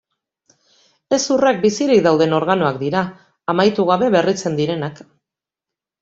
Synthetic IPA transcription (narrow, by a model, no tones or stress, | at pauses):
e̞surek̚bisiɾik̚d̪awðe̞no̞ɾɣano̞akd̪iɾaː | majt̪uɣ̞aβ̞e̞βe̞rit͡se̞nd̪iɾe̞nak